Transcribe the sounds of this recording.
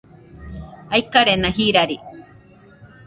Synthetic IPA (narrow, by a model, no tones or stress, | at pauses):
ajkaɾenahiɾaɾi